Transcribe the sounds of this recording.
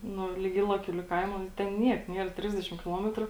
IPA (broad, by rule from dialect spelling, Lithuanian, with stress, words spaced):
ˈnʊ lʲɪk ˈiːlˠɐˌkʲuː lʲɪk ˈkɐɪmoː ˈtʲɛn ˈnʲiɛk ˈnʲiɛr ˈtʲrʲɪzʲdʲɛʃʲɪm kʲɪˈlˠoːmʲɛtrʊ